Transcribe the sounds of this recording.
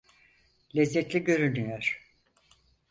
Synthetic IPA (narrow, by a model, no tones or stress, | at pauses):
lʲɛzːɛt̪lʲiɟø̞ɾynyjoɾ̥